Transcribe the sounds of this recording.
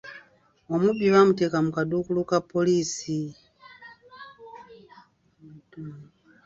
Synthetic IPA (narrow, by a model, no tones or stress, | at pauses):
omubiβamutekamukadukulukapːoliːsi